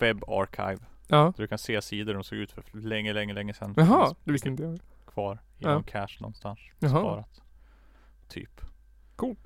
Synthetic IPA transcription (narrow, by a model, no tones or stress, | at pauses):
vɛbːa̰ɾkʰa̰jvɑːd̪ɵkʰanseːsiːd̪əɖ̪ɔmsoːɡʉːt̪fœlɛŋːəlɛŋːəlɛŋːəsɛnɦɑd̪̥ɛɪsɪɪnt̪əjœːɾ | kʰvɑːɾ | ɪnkʰæʂnɔ̰nːst̪anʂɑːɾat̪ | y̰ːp | kʰuːlt̪